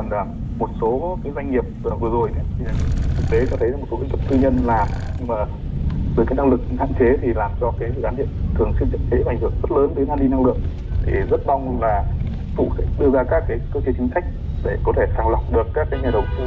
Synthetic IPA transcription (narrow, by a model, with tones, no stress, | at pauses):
nlaː˨˩mo˨˩t̚so˨˦kaː˨˦jzwa˧jŋŋi˨˩əp̚ːvɨ˨˩əzo˨˩ja˨˦t̪ʰi˨˩˨t̪ʰɨ˨˩k̚t̪e˨˦t͡ɕɔ˧t̪ʰə˨˦jzaː˨˩m̚˨˩so˨˦i˧˦ŋkə˦˥p̚t̪ʰɨ˧ɲə˧nlaː˨˩mɲɨ˧ŋmaː˨˩ | vəː˨˦kaː˨˦jna˧ŋlɨ˨˩k̚ha̰ː˧˨nt͡ɕe˨˦t̪ʰi˨˩laː˨˩mt͡ɕɔ˧kaː˨˦jsɨ̰˧˨zaː˨˦nɗḭ˧˨ənt̪ʰɨ˨˩əŋswi˧nt͡ɕə̰˧˥t̚t͡ɕe˨˦˧j̟hɨ˧˩əŋzə˦˥t̚ləː˨˦nt̪əː˨˦ŋaː˧nɗi˧na˧ŋlɨ̰˧˨əŋ | t̪ʰḭ˨˩zə˦˥t̚ɓa˧wŋ͡mlaː˨˩˨ | fṵ˧˩sḛ˧˩ɗɨ˧əzaː˧kaː˦˥kːaː˨˦jkəː˧t͡ɕe˨˦t͡ɕï̟˨˦sa˦˥jk̟̚ | ɗe˧˩kɔ˨˦t̪ʰe˧˩saː˧˩ŋla̰˨˩wŋ͡mɗɨ˨˩əkːaː˦˥kːaː˨˦jɲaː˨˩ɗə̰˧˨wŋ͡mt̪ɨ˧